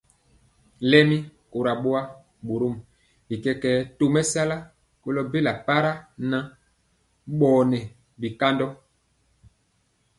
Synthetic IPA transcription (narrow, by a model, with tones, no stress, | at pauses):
lɛ˦mi˦ko˨ɾa˨ɓo˦a˦ | ɓo˨ɾo˦m | bi˨kɛ˦kɛ˦to˨mɛ˦sa˦la˦ | ko˦lɔ˦be˦la˨pa˦ɾa˦na˨ | ɓɔː˨nɛ˨ | bi˨ka˦ndɔ˦